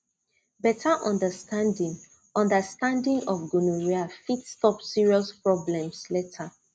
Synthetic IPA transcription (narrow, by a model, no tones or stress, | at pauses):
bɛtʰaʔɔ̃ndəstʰãndĩŋ | ɔ̃ndəstãndĩŋɔfɡunuɹiafitstɔpsiɹiɔspɹɔblɛ̃msletʰa